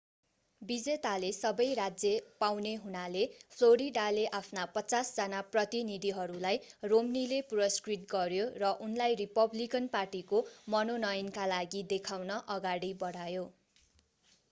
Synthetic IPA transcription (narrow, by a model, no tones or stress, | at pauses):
bid͡zet̪alesʌbʌjrad͡zjʌpawneɦunalepʰloɾiɖaleʔapʰnapʌt͡sasd͡zʌnaprʌt̪inid̪ʱiɦʌɾulajromnilepuɾʌskriʈ̚ɡʌɾjorʌʔunlajripʌblikʌnparʈikomʌnonʌjnkalaɡid̪ekʰawnʌʔʌɡaɽibʌɽajo